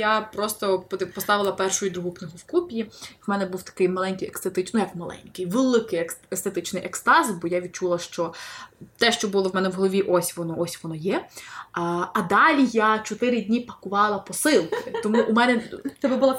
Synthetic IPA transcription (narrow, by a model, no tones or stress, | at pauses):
japɾɔst̪ɔp̪pɔst̪ɑʋɪlˠɐpɛrʃʊjʊd̪ɾuɦʊknɪɦʊwkupʲjiwmɛnɛbuwt̪ɐ̥kɪjmɐlˠɛnʲkɪjekst̪et̪ɪt͡ʃnujɐkmɐlˠɛ̰nʲkɪjʋelˠɪkɪjest̪et̪ɪt͡ʃnɪjʔekst̪ɑzʲbɔjaʋʲd̪̚t͡ʃulˠɐʃt͡ʃɔt̪ɛʃt͡ʃɔbulˠɔwmɛnɛwɦɔlˠɔʋʲiʔɔsʲʋɔnɔɔsʲʋɔnɔjɛ | ɐd̪ɑlʲijat͡ʃɔt̪ɪɾɪdʲnʲipɐkʊʋɑlˠɐpɔsɪlˠkɪt̪ɔmuʔumɛnɛt̪ɛbɛbʊlˠɑ